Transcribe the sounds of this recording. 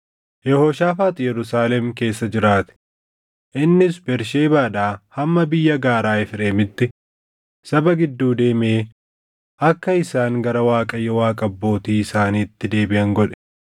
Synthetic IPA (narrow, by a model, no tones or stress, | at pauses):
jɛhoːʃaːfaːt̪ʼɪjɛɾʊsaːlɛmke̞ːsːɐd͡ʒɪɾaːt̪ɪ̥ | ʔɪnːɪsbɛɾʃeːbaːᶑaːhɐmːɐbɪjːɐɡaːɾaːɪfɪɾeːmɪt̪ːɪ | sɐbɐɡɪd̪ːuːd̪e̞ːmeː | ʔɐkːɐɪsaːŋɡɐɾɐwaːkʼɐjːɛwaːkʼɐbːo̞ːt̪iːɪsaːniːt̪ːɪd̪e̞ːbɪʔɐŋɡɔᶑɛ̥